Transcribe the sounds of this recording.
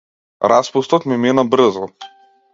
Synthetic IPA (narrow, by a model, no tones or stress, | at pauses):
ɾʔaspust̪ɔt̪mɛmɛnabr̩zɔ